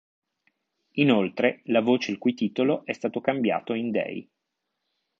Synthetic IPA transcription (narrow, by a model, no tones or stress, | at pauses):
inolt̪ɾelavoːt͡ʃeilkujt̪iːt̪oloʔɛst̪aːt̪okambja̰ːt̪oind̪ɛ̰j